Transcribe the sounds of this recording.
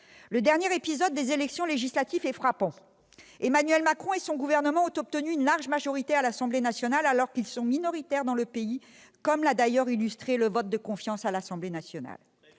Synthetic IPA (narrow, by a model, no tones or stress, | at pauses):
ləd̪ɛʁnjeʁepizɔd̪̚ːezelɛksjɔ̃leʒislat̪ifɛfχapɑ̃ | emanɥɛlmakχɔ̃esɔ̃ɡuvɛʁnəmɑ̃ɔ̃t̪ɔp̚t̪ənyynlaʁʒmaʒɔʁit̪ealasɑ̃blenasjɔnalalɔʁkilsɔ̃minɔʁit̪ɛʁd̪ɑ̃ləpei | kɔmlad̪ajœʁilyst̪χeləvɔt̪̚d̪əkɔ̃fjɑ̃salasɑ̃blenasjɔna̰l